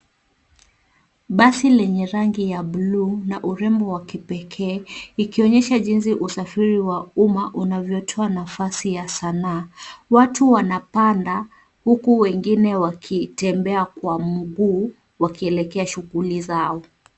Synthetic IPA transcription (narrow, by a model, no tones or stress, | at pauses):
ɓasilɛɲɛɾaŋɡijaɓluːnaʔuɾɛmbɔwakipɛkʰɛːikiɔɲɛʃaʄinsiʔusafiɾiwaumaʔunavjɔtʰɔanafasijasanaːwatuwanapanda | hukuwɛŋɡinɛwakʰitɛmbɛakwam̩ɡuː | wakiɛlɛkɛaʃuɣulizaɔ